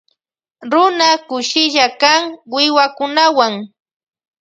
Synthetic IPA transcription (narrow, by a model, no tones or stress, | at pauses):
ɾʊnakʊʃɪʎakaŋwɪwakʊnawaŋ